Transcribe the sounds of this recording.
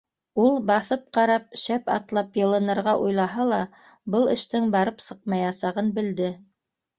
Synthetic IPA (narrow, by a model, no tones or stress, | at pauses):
ulˠbɑθɤp̚qɑɾɑp̚ʃæpɑ̰t̪lˠɑpjɤ̆lˠɤ̆nɤ̆ɾʁɑʔujlˠɑɦɑlˠɑ | bɤlˠɘ̆ʃt̪ɘŋbɑɾɤpsɤq̚mɑjɑsɑʁɤnbɘ̆ld̪ɘ